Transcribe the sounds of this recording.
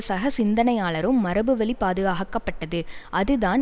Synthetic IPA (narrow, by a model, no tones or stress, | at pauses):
sɐɣɐsɪnd̪ɐnɐjaːɭɐɾɯmːɐɾɐbɯʋɐɭipaːðɯɣaːɣɐkːɐpːɐʈːɐðɯʔɐðɯðaːn